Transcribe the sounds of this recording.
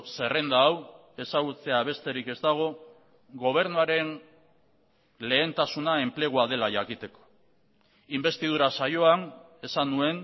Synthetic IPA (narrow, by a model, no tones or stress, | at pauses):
se̞re̞nd̪aːw | e̞saɣ̞ut͡se̞aːβ̞e̞st̪e̞ɾike̞zt̪aɣ̞o̞ | ɡo̞β̞e̞ɾnuaɾe̞n | le̞ːnt̪asunae̞mple̞ɣuað̞e̞laʝakit̪e̞ko̥ | imbe̞st̪ið̞uɾasajo̞ane̞sanue̞n